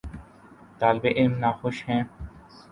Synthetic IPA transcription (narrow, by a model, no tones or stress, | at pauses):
t̪aːlbeʔɪlmnaːxʊʃɦɛ̃ː